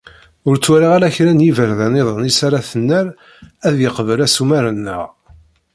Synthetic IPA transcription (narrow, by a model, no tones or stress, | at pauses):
ʊɾt͡sːwæɾiʁalæçɾænjivəɾðæneðˤənisaɾaθənːəɾ | æðjəqvəlæsumæɾənːə̰ʁ